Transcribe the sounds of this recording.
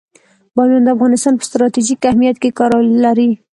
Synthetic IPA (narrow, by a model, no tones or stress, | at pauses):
bɑmand̪əafɣɑnɪst̪ɑnpə̥st̪ɾɑt̪iʒikahmijat̪kekɑɾlaɾi